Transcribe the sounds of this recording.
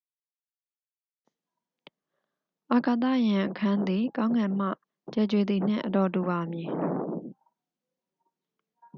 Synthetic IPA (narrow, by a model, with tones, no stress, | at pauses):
ʔa˨ka˨t̪̬ä̰˦˨jã˨ʔəkʰã˦nd̪i˨kã˦ʊ̃ŋã˨m̥a̰˦˨ | t͡ɕɛ˦˨t͡ɕwe˨d̪i˨n̥ɪ̰̃˦˨ʔə˨dɔ˨du˨ba˨mji˨